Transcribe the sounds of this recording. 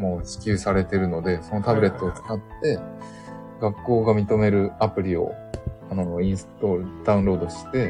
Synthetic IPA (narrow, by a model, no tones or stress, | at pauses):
moːɕi̥kʲɨːsaɾe̞t̪e̞ɾɯ̟no̞d̪e̞so̞no̞t̪abɯ̟ɾe̞t̪ːo̞ːt͡sɨ̥kat̪ːe̞ | ɡakːo̞ːɡamʲit̪o̞me̞ɾɯ̟apɯ̟ɾʲio̞̰ | anoĩɰ̃st̪o̞d̪̥aɯ̟̃nɾo̞ːd̪o̞ɕi̥t̪e̞